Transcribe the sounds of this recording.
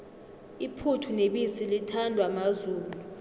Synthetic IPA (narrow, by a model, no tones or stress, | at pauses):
ipʰutʰuneɓisilitʰandʱwamazuːluu